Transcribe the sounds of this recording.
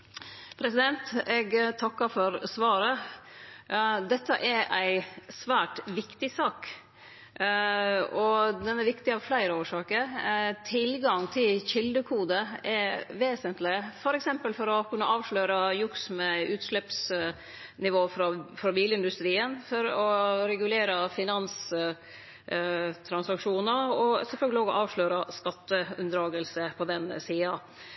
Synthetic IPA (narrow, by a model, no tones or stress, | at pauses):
pʰɾɛsɪd̪ɛnt̪ɛɡt̪ʰɑkːəfɔɾsʋɑːɾə | d̪ɛt̪ːəʔɛɾʔæɪsʋæːʈʋɪkt̪ɪsɑːk | ɔd̪ɛnɛɾʋɪkt̪ɪɑːʋflæɪɾəoːʂɑːkəɾt̪ʰɪlɡɑŋt̪ʰɪlçɪld̪əkʰuːd̪əɛʋeːsənt̪lɪfɔɾɛksɛmpəlfɔɾɔkʰʉnːəʔɑːʋʂɭøːɾɑjʊksmɛʉːt̪ʂɭɛps | nɪʋoːfɾɑfɾɑbiːlɪnd̪ʉst̪ɾiːənfɔɾɔɾɛɡʉleːɾəfɪnɑns | t̪ʰɾɑnsɑkʂuːnəɔsɛfœlɡəlɪoːɡɔ̰ʔɑːʋʂɭøːɾɑskɑt̪ːəʉnd̪ɾɑːɡəlsəpʰɔd̪ɛnsiːɑ